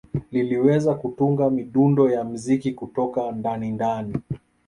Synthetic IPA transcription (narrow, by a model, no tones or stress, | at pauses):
liliwɛzakutuŋɡamiɗundɔjam̩zikikutɔkandanindani